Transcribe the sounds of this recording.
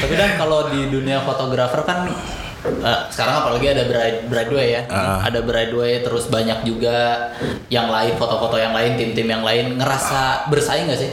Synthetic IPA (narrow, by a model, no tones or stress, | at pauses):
t̪apidankalodiduniafot̪oɡɾafərkan | əsə̥kaɾaŋapalaɡiadabəɾabəɾaduajaəa̰dabəɾaduat̪əɾʊsbaɲak̚d͡ʒuɡa | jaŋlaɪkfot̪ofot̪ojaŋlaɪnt̪ɪmt̪ɪmjaŋlaɪnŋəɾasabərsaɪŋɡasɪh